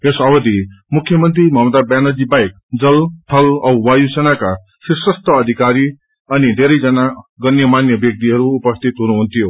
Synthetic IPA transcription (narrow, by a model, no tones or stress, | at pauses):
esʌbʌd̪imukʰːjʌmʌnt̪ɾimʱʌmʌd̪abjanʌd͡zibajk̚ | d͡zʌlʈʰʌlʌwwajusenaka | sisʌst̪ʌːd̪ʱikaɾi | ʌnid̪ʱeɾʌjd͡zʌnaɡʌnjʌmanjʌbjʌk̚t̪iɦʌɾuːpʌst̪ʰit̪ɦunuɦunt̪ʰijo